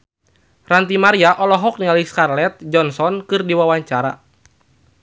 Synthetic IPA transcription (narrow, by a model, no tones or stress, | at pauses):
rant̪imaɾiaʔɔlɔɦɔk̚nialiskarlɛt̪̚d͡ʒɔnsɔnkɨrdiwawaɲt͡ʃaɾa̰